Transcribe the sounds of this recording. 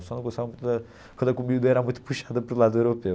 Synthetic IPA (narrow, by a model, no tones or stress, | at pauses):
sɔnɐ̃ɡõsavɐmũt̪ðɐ | kɐ̃nd̪ɐkumiud̪ɐɛɾamũj̃t̪u̥puʃaðɐpɔɾulˠaðuewɾupe